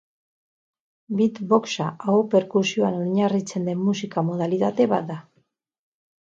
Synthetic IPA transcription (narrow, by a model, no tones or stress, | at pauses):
bit̪bo̞ksaaope̞ɾkuɾsio̞anoɲarit͡se̞nd̪e̞nmusikamo̞ð̞alit̪at̪e̞βat̪̚d̪a